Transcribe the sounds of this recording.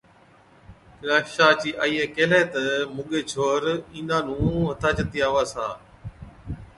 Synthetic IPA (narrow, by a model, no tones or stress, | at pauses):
kɪɾaːʃaːt͡ʃiːʔaːiːeːkeːleːt̪əmʊɠeːt͡ʃʰoːɾĩːnd̪ãːnũːʋət̪ʰaːt͡ʃət̪iːaːʋaːsaː